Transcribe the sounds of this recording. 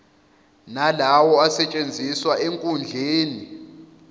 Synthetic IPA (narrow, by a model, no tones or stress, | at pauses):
nalawɔasɛt͡ʃʼend͡zʱiswaʔeŋkʼund͡ɮʱeːni